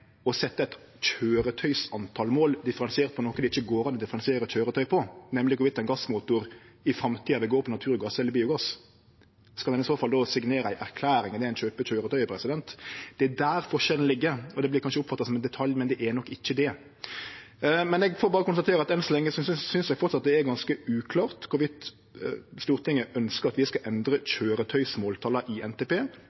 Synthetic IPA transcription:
ɔsɛt̪ːəæɪt̪ | c͡çʰøːɾət̪ʰœʏsɑnt̪ʰɑːlmoːld̪ɪfəɾɑnsɪeːɾt̪̚pʰɔnɔːkːəd̪ɛɪçːəɡoːɾɑnɔd̪ɪfəɾɑnsɪeːɾəc͡çʰøːɾət̪ʰœʏpʰɔnɛmlɪɡɔʋɪt̪ɑɛnɡɑsːmuːt̪ʊɾɪfɾɑmt̪ʰiːɑʋɪɡoːɾpʰɔnɑt̪ʰʉːɾɡɑsɛlːəɾbiːʊɡɑs | skɑld̪ɛnɪsoːfɑld̪ɔsɪɡneːɾəæɪʔæɾkʰlæːɾɪŋd̪ɛæɾæɪnt͡ʃøːpət͡ɕøːɾət̪œʏpʰɾɛsɪd̪ɛnt̪d̪̥ɛæd̪æːɾfɔɾʃɛlən̩lɪɡːəɾɔd̪ɛblɪɾkʰɑnʃəʊpfɑt̪ːɑsɔmɛnd̪ɛt̪ʰɑljmɛnd̪ɛʔænɔkːɪçːəd̪ɛ | mɛnɛɡfoːbɑːɾəkʊnst̪ɑt̪eːɾəɑt̪ɛnsɔlɛŋːəssʏnsɛɡfɔɾt̪sɑt̪̚d̪ɛæɾɡɑnskəʉːkʰlɑːʁt̪kʰʊɾʋɪt̪ | st̪uːɾt̪ɪŋːəʔœnskəɾɑt̪ʋɪskɑʔɛnd̪ɾəc͡çøːɾət̪ʰœʏsmoːlt̪ʰɑːlɑʔɪɛnt̪eːpeː

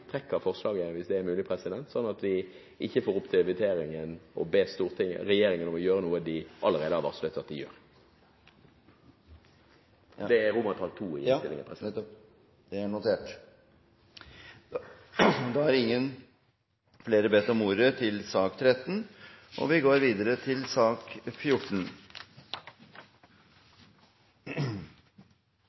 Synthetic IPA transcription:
t̪ʰɾɛkːəɾfɔʁslɑːɡəʋɪsd̪ɛːɾmʉːlɪpʰɾɛsɪd̪ɛnt̪sɔnːɑt̪ʋɪ | ʔɪçːəfoːɾʁʊpt̪ʰɪlʋɪt̪eːɾɪŋənɔbeːst̪uːʁt̪ʰɪŋːɾɛjeːɾɪŋənɔmɔjøːɾənuːəd̪ɪʔɑləɾeːd̪əhɑʋɑ̰ʁslœt̪ːəɑt̪ɪjø̰ːɾ | d̪ɛæʁʊːmɑnt̪pʰɑlt̪ʰuːɪ̰ɪnt̪ɪlɪ̰ŋəpʰɛsɪ | d̪̥ɛæɳʊt̪ʰeːʈ | d̪ɑhæɾɪŋːən | fleːɾəbɛt̪ːɔmuːɾət̪ʰɪlsɑːkt̪ʰɾɛt̪ːnʔɔ̰ʋɪɡoːɾʋiːd̪əɾət̪ʰɪlsɑːkfjʊʈn̩

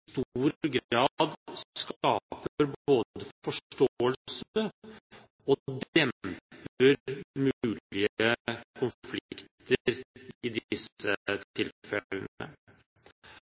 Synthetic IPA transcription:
st̪uːɾɡɾɑːd̪sskɑːpəɾboːd̪d̪əfɔʂʈoːəls | ɔd̪ɛmppəɾmʉʉːlɪəkʰʊnflɪkt̪əɾɪd̪sət̪ʰɪlfɛlənə̰

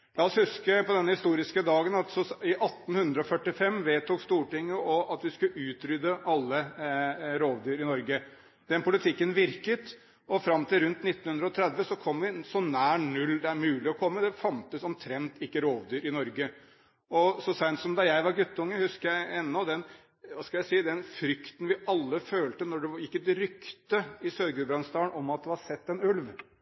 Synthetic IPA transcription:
lɑːɔshʉskəpɔd̪ɛnːəhɪst̪uːɾɪskəd̪ɑːɡənɑt̪sɔɪʔɑt̪ːn̩hʉnd̪ɾəɔfœʈːɪfɛmːʋeːt̪uːkst̪uːʈɪŋːəɔʔɑt̪ʋɪskʉʔʉːt̪ɾʏd̪əʔɑlːə | ɾoːʋd̪yːɾɪnɔɾɡə | d̪ɛnpʰʊlɪt̪ʰɪkːənʋɪɾkət̪ | ɔfɾɑmːt̪ʰɪlɾʉnt̪nɪt̪ːn̩hʉnd̪ɾəɔt̪ʰɾɛd̪ʋəsɔkʰɔmːʋɪsɔnæːɳʉlːd̪ɛæɾmʉːlɪɔkʰɔmːəd̪ɛfɑnt̪əsɔmt̪ʰɾɛnt̪ɪkːəɾoːʋd̪yːɾɪnɔɾɡə | ɔsɔsænt̪sɔmd̪ɑjæɪʋɑɾɡʉt̪ːəʊŋːəhʉskəjæɪɛnːɔd̪ɛn | ʋɑskɑljæɪsiːd̪ɛnfɾʏkt̪ən̩ʋɪɑlːəføːlt̪ənɔɖɛjɪkːət̪ɪɾʏkt̪əɪsœɾɡʉbɾɑnst̪ɑːɳɔmɑt̪̚d̪ɛhɑɾsɛt̪ːɛnʉlʋ

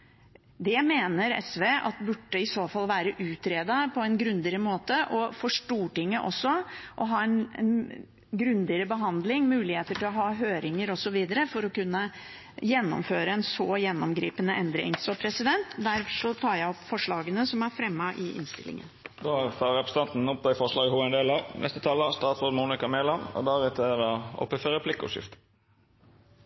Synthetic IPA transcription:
d̪ɛmeːnəɾɛ̰sʋeːʔɑ̰t̪bʉʈːəɪsoːfɑlːʋæːɾəʔʉːt̪ɾeːd̪ɑpʰɔɛnɡɾʉnd̪ɪəɾəmoːt̪əʔɔfoʂʈuːʈɪŋːəʔɔsːɔʔɔɦɑːɛnɛ̰n | ɡɾʉnd̪ɪəɾəbəɦɑnd̪lɪŋmʉːlɪheːt̪əʈʰɪlɔɦɑːɦøːɾɪŋəɾɔsɔʋiːd̪əɾəfɔɾɔkʉnːə | jɛnːɔ̰mføːɾəɛnsɔjɛnːɔmɡɾiːpənəʔɛnd̪ɾɪ̰ŋsɔpʰɾɛsɪd̪ɛnt̪d̪æɾfʂɔt̪ʰɑːjæɪɔpfɔʂɭɑːɡənəsɔmæɾfɾɛmːɑʔɪʔɪ̰nst̪ɪ̰lʔɪ̰ŋə̰nd̪oːæʁt̪ɑːʁɛpɾəsət̪ɑnt̪n̩ɔp̚d̪ɑɪfɔʁʂlɑːɡɪhuːɛnd̪elɑɾnʔɛst̪ət̪ʰɑːləst̪ɑːt̪sʁoːd̪muːnɪkɑmeːlɑmɔ̰d̪æɾɛt̪ʰəd̪ɑɔ̰pːəfəʁɛpʰlɪkːʊ̰ʂɪ̰ft̪

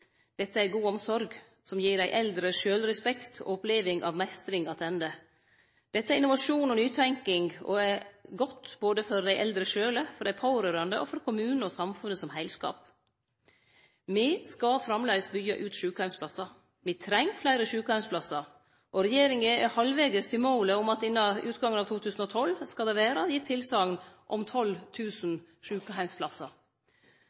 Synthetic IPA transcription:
d̪̥ɛt̪ːəæɾɡuːɔmsɔɾɡ | sɔmjiːɖæɪʔɛld̪ɾəʃøːlɾɛspɛkt̪ʰɔ̰ɔpleːʋɪŋʔɑ̰ʋmɛst̪ɾɪŋɑt̪ʰɛnd̪ə | d̪̥ɛt̪ːəæɾɪnʊʋɑʂuːnɔnyːt̪ʰæŋkɪŋɡɔ̰ɛɡɔt̪ːboːd̪əfɔɾd̪æɪʔɛld̪ɾəʃøːləfɔɾɖ̪æɪpʰɑʊɾøːɾɑnd̪ə̰ʔɔ̰fɔɾkʰʊmʉːnɔsɑmfʉnːəsɔmhæɪlskɑ̰ːp | mɪskɑfɾɑmlɛɪɡəsbʏɡɑ̰ʔʉːt̪ʃʉːkəhæɪmspʰlɑsːɑ | mɪt̪ʰɾɛŋːflæɪɾəʃʉːkəhæɪmsplɑsɑ | ʔɔɾɛjeːɾɪŋəɛhɑlʋeɡəst̪ʰɪmoːləɔmɑt̪ɪnːɑʉːt̪ɡɑŋənɑːt̪ʰuːt̪ʰʉːsn̩ɔt̪ʰɔlːskɑd̪ɛʋeːɾɑjɪt̪ʰːɪlsɑːɡnʔɔmt̪ʰɔlt̪ʰʉːsn | ʃʉːkəɦæɪmspʰlɑsɑɾ

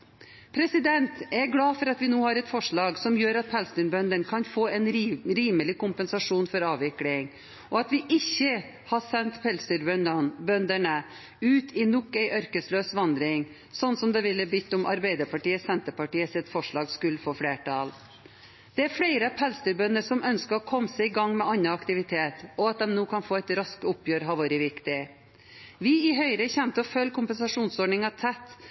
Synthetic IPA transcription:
pʰɾɛsɪd̪ɛnt̪ɛɾɡɽɑːfɔɾɑt̪ʋɪnuːhɑːɾɛt̪fɔʂɭɑːɡsɔmjøːɾɑt̪̚pʰælst̪əɳbœnd̪əɳkʰɑnfoːɛnɾiːməlɪkʊmpɛnsɑʂuːnfɔɾɑːʋɪklɪŋ | ʔɔɑt̪ʋɪʔɪçːə | hɑsɛnt̪pʰɛlst̪əɾbnɑnbœnd̪əɳə | ʉːt̪ʰɪnɔkːæɪʔœɾkəsløːsʋɑnd̪ɾɪŋ | sɔnːsɔmd̪ɛʋɪlːəbʏt̪ːʊmʔɑ̰ɾbæɪd̪əɾpɑʈiːəsɛnt̪əpɑʈiːəsɪt̪fɔʂɭɑːɡskʉlfɔfɽeːʈʰɑːl | d̪̥ɛæɾfɽeɪɾəpʰɛlst̪ʉɾbœnːəʂɔmœnskəɾɔkʰɔmːsɛɪɪɡɑŋːmɛʔɑnːɑɑkt̪ɪʋɪt̪ʰeːt̪ɔɑt̪̚d̪ɛmnoːkʰɑnfoːæɪt̪ɾɑskəʊpjøːɾɦɑʋɑːɾɪʋɪkt̪ɪ | ʋɪɪɦœʏɾəçɛmt̪əɔfœlːkʰʊmpənsɑʂuːnsɔɖɳɪŋɑt̪ʰɛt̪ː

